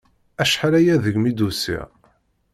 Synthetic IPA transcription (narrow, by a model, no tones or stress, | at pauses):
æʃħaɾæjæðəʝmid̪usḭ